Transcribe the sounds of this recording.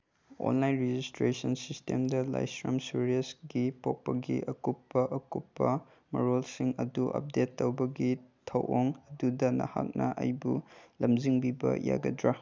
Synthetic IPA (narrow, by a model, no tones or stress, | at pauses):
o̰nlajnɾed͡ʒistɾesɐnsistemdɐla̰jsɾɐmsuɾiɐsɡipok̚pɐɡḭʔɐkupːɐʔɐkupːɐ | mɐ̰ɾolsiŋɐduʔɐ̰p̚detːowbɐɡitʰɐwʔoŋɐdudɐnɐ̰hak̚nɐʔɐ̰jbulɐmziŋbibɐ̰ja̰ɡɐdɾa